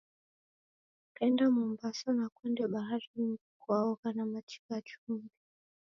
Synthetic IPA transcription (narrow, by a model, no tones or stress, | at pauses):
kɛndamumbasanakwɛndɛɓaɦaɾimikuaɔkanamati̥kat͡ʃumɡi